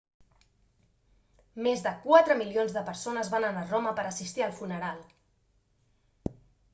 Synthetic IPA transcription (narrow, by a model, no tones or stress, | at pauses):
mezðəkwat̪ɾəmilionzðəpəɾsonəzβanənaroməpəɾəsist̪iəlˠfunəɾalˠ